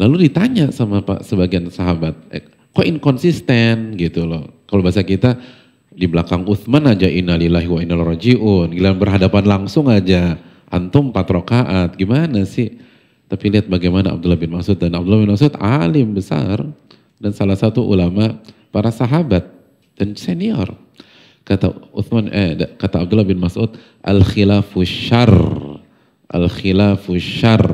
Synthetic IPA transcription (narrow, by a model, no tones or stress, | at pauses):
laludit̪aɲaʔsamapa̰səbaɡiansaɦabat̪̚ | kɔinkɔnsist̪ɛnɡit̪ulɔkalobasakit̪a | dibəlakaŋuθmanad͡ʒaʔinalilaɦiwainalrɔd͡ʒiʔʊnɡilanbərɦadapanlaŋsʊŋad͡ʒa | ʔa̰nt̪ʊmpat̪ɾokaʔat̪̚ɡimanasɪh | t̪apiliat̪̚baɡajmanaa̰b̚dulahbɪnmasʊt̪̚danabdulahbɪnmasʊt̪alɪmbəsa̰r | dansalahsat̪uʔulamapaɾasaɦabat̪̚ | d̥anseniɔ̰r | kat̪a̰ʊ̰θmanɛdkat̪aːb̚dulːahbɪnmasʊt̪̚ | ʔa̰lxilafʊʃar | ʔa̰lxilafuʃar